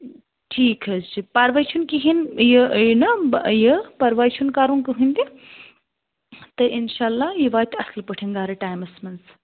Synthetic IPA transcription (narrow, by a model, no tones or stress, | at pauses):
ʈʰiːkɐzt͡ʃʰipɐɾʋat͡ʃʰunkiɦinjənɐjəpɐɾʋaːt͡ʃʰunkaːɾunkɨɦũnd̪i | t̪ɐʔinʃaːlːaːjiʋaːt̪ʰʲɐslpəʈʰeŋɡaːɾɐʈaːjmɐsmɐns